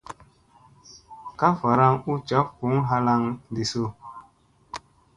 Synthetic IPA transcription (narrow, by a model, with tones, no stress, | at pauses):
ka˦fa˨ɾa˦ŋu˦t͡ʃa˨˦p̚hu˨˦ŋɦa˦la˦ŋdi˨so˦˨